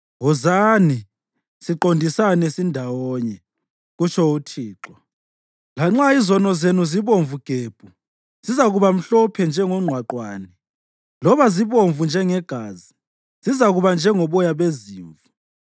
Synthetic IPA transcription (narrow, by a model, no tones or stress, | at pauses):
ɣɔzani | siǃondʱisanɛsindʱawɔɲɛ | ɣut͡ʃʰɔutʰiːǁwɔ | laŋ͡ǁaizɔnɔzenuziβoɱvuɡ̥ʱeːb̥ʱu | z̥izaɣuβam̩ɬɔpʰɛnd͡ʒʱɛŋɔŋ͡ǃʱwaǃwaːnɛ | lɔβaziβoɱvund͡ʒʱɛŋɛɡ̥ʱaːzi | z̥izaɣuβand͡ʒʱɛŋɔβɔjaβeziːɱvu